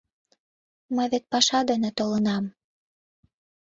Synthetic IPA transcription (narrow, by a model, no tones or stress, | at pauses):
məjβet̪̚pɑʃɑd̪ənĕt̪olənɑm